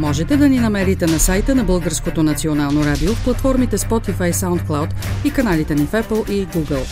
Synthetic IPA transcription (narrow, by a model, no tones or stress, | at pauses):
mɔʒɛt̪ɛd̪ɐninɐmɛɾit̪ɛnɐsajt̪ənɐbɤlˠɡəɾskot̪onɐt̪sionalˠnoɾad̪iofplˠɐt̪fɔɾmit̪ɛspɔt̪ifajsaʊnt̪̚klˠawt̪ikɐnalit̪ɛnifɛpəlˠiɡuɡəlˠ